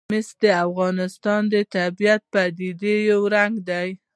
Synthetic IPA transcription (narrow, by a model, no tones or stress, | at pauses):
mɪsd̪əafɣɑnɪst̪ɑnd̪ət̪abijat̪̚pad̪id̪ejawɾaŋɡd̪aj